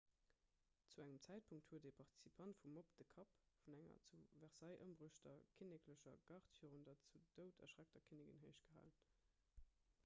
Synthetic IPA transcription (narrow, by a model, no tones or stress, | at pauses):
t͡suæŋəmt͡sæɪt̚pʰuŋk̚thuəteːpʰɑʁti̥sipʰɑntfumopd̥əkʰɑpfunæŋɐ̰t͡suvæʁsɑɪʔə̰mbʁuʃtɐkʰinekʰləɕɐ̰ɡ̥ɑχtfiːʁumdɑt͡sud̥əʊtʰɐ̰ʃʁæk̚tɐkʰiniɡənɦəɪʃtɡ̥əɦa̰ːlən